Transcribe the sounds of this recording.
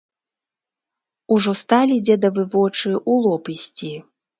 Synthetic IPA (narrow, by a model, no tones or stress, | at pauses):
uʐɔst̪alʲid͡zʲɛd̪ɐvɨvɔt͡ʂɨʔulˠɔpisʲt͡sʲi